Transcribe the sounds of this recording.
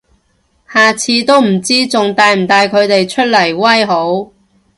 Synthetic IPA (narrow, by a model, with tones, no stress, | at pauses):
haː˨t͡sʰiː˧t̪o˥wm̩˨˩t͡siː˥t͡sʊ˨ŋt̪aː˨˧jm̩˨˩t̪aː˨˧jkʰɵ˨˧ɥt̪e˨jt͡ʃʰɵ˥t̚lɐ˨˩jwɐ˥jɦo˨˥w